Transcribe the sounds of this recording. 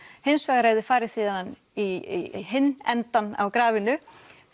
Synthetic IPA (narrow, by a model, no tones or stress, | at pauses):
hɪnsvɛːɣaɾaːjðɪfaːɾɪɾ̥siːðaðan | iɦɪnːɛ̰nt̪ana̰wkɾaːvɪnʏ